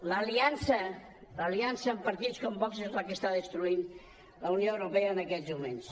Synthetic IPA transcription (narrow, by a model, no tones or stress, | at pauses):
ləːliansə | ləliansəːmpəɾt̪it͡skɔmpɔksezləkəst̪aðəst̪ɾuin | ləunioəwɾupeəːnəkɛzmumens